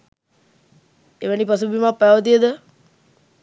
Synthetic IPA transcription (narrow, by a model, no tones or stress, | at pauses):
eʋənipas̬ubimapːaʋət̪iəd̪ə